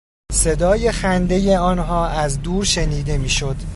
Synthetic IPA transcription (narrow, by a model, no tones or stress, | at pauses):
se̞d̪ɒːje̞xænd̪e̞je̞ɒːnɦɒːʔæzd̪uːɾʃe̞niːd̪e̞miːʃo̞d̪̥